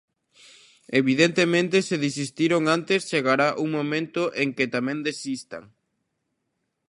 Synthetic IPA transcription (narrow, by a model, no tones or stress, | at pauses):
eβiðent̪emẽnt̪eseðis̬ist̪iɾoŋant̪est͡ʃeɣaɾaʔuŋmõmẽnt̪oʔeŋket̪amẽnd̪esist̪a̰ŋ